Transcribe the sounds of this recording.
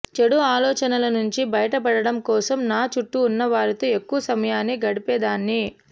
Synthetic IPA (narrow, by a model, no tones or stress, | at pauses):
t͡ʃeɽuaːlɔːt͡ʃɐnɐlɐnuɲt͡ʃibɐjɐʈɐpɐɽɐɽɐmkɔːsɐmnaːt͡ʃuʈːuːnːɐʋaːɾit̪oːe̞kːuʋɐsɐmɐjaːnːiɡɐɽipɛːd̪aːnːi